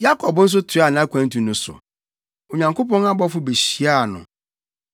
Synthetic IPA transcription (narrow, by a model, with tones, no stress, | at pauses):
ja˦kʰɔ˨bn̩˦s̬ʊ˦tʰɪ˨˦a˨nã˨˦kʷʰã˨˦ntũ˨nʊ̃˨sʊ̰˨ | o˨ɲã˨ŋko˦pɔ̃˦na˦bɔ˦fʊ˦be˨ɕi˨˦a˦˨nʊ̰̃˨